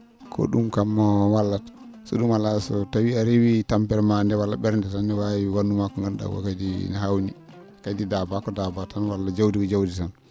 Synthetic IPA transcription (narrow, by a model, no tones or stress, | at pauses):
kʰɔ̰ɗumkamːɔwalːat | sɔ̰ɗumalasɔtawiaɾiwitampɛɾmandɛwalːaɓɛɾndɛtanːɛwawiwanːumakɔŋɡanɗa̰ɡɔ̰kadinaɦawni | kadidabakɔdabatanwalːad͡ʒawdikɔd͡ʒawditan